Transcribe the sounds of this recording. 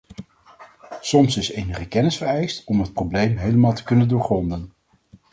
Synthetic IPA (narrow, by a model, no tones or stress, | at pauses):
sɔmsɪsejnəχəkɛnɪsfəɹɛjstɔmɦət̚prowblejmɦejləmaːlˠtə̥kɵnəndʊːɹχrɔndən